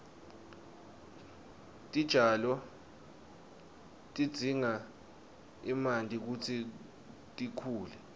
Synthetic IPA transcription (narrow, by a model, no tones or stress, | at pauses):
tʼid̥ʒ̥ʱalɔ | tʼid̥z̥ʱiŋa | imandʱʼik̬ut͡sʰi | tʼikʰuːlɛ